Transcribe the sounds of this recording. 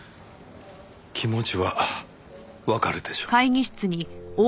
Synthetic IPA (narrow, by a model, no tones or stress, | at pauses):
kʲʰimo̞t͡ɕiβa | βakaɾɯ̟d̪̥e̞ɕo̥kaiɲʲiɕi̥t͡sɨɲ̟ioː